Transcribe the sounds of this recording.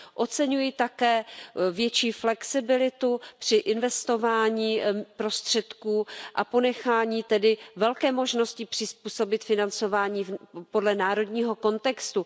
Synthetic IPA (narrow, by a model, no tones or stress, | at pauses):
ʔo̞t͡sɛɲujɪt̪akɛːvjɛt͡ʃiːflɛksɪbɪlɪt̪upr̝̥ɪʔɪnvɛst̪o̞vaːɲiːpɾo̞st̪r̝̥ɛt̪kuːʔapo̞nɛxaːɲiːt̪ɛdɪvɛlkɛːmo̞ʒnoscɪpr̥ɪspuːso̞bɪt̪fɪnant͡so̞vaːɲiːpo̞dlɛnaːɾo̞d̪ɲiːɦo̞ko̞nt̪ɛkst̪u